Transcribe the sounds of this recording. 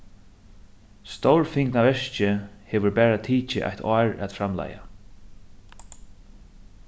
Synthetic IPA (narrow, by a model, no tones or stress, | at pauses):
st̪owɹfɪŋknavɛʂt͡ʃɪhɛːʋʏɾbɛːɹat̪ʰiːt͡ʃɪ̰ʔa̰jht̪ʰɔːɹæ̰t̪fɾamla̰ːja̰